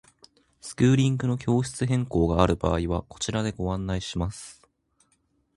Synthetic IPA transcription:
sɨ̥kɯ̟ːɾʲĩŋɡɯ̟no̞kʲo̞ːɕi̥t͡sɨɦẽ̞ŋko̞ːɡaːɾɯ̟ba̰ːiβ̞ako̞̥t͡ɕiɾad̪e̞ɡo̞ãnːaiɕimasɨ̥

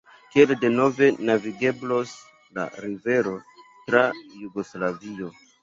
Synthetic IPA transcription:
kielde̞no̞ve̞naviɡe̞blo̞s | la̰ɾive̞ɾo̞tɾajuɡo̞slavio̞

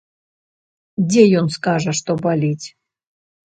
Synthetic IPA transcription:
dʲejonskɑʒəʃt̪obɑlʲitʲ

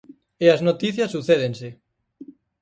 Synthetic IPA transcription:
eaznot̪iθjasːuθeð̞ense

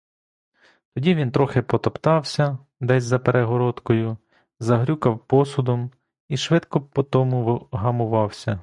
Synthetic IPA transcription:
t̪ɔdʲiʋʲint̪ɾɔxɪpɔt̪ɔpt̪ɑwsʲɐ | d̪ɛsʲzɐpeɾeɦɔɾɔd̪kɔjʊ | zɐɦɾʲukɐwpɔsʊd̪ɔm | iʃʋɪd̪kɔpɔt̪ɔmʊɦɐmʊʋɑwsʲɐ

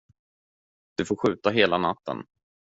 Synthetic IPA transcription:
d̪̥ɵfoːɾɧʉ̟ːt̪aɦeːlanat̪ːə̰n

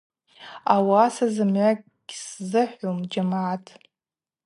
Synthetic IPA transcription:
awasazɨmʕakʼɡ̥ʲszɨħʷomd͡ʒamaʕatʼʰ

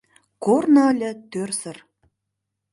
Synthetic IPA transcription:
kornɑlʲɘ̆t̪ørsə̆r

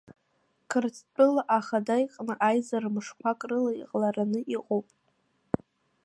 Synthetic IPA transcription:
kʰɨrt͡sʰt͡pʼɨlaʔaχadajqʼnɨʔajzarmɨʂkʷʰakʼrɨlaḭqʼlaranɨʔiqʼowpʼ

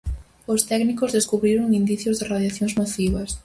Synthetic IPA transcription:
ʊst̪ɛknikozðeskuβɾiɾoŋind̪iθjozðɪraðjaθjoŋzmaθiβɐs

